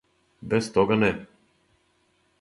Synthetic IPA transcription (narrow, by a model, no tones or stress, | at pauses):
bɛst̪ɔɡanɛ